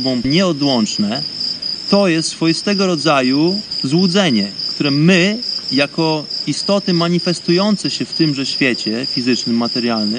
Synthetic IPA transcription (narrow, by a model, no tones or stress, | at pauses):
bɔ̃mɲɛɔd̪wɔnt͡ʂnɛt̪ɔjɛst̪sfɔjist̪ɛɡɔɾɔd̪zajuzwud̪zɛɲɛkt̪uɾɛmɘjakɔist̪ɔt̪ɘmaɲifɛst̪ujɔnt̪sɛɕɛft̪ɘmʐɛɕfʲjɛt͡ɕɛfʲizɘt͡ʂnɘmːat̪ɛɾjalnɘm